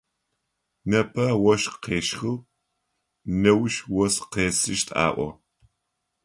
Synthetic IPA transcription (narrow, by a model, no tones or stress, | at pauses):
nɐpʰɐwɔʃqeːʃxɨw | nɐwʃwɔsqeːsɨʃtʼa̰ːʔʷɔ̰